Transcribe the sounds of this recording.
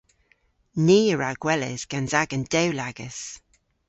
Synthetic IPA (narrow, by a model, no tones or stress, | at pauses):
niːəɹaɡ̥wɛlɪ̰z̥ɡ̥anzaɡənd̥ɛwlaɡ̥ə̰s